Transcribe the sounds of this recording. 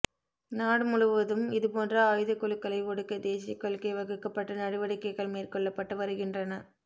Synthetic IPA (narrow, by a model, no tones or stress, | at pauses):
naːɽɯmʊɻɯʋɐðɯmɪðɯpoːndrɐaːjðɯkɔɭɯkːɐɭɐɪʋɔɽɯkːɐd̪eːsɪɐkːɔɭkːɐɪʋɐɣɯkːɐpːɐʈːɐnɐɽɯʋɐɽɪkːɐɪɣɐɭmeːrkɔɭːɐpːɐʈːɯʋɐɾɯɣɪndrɐnɐ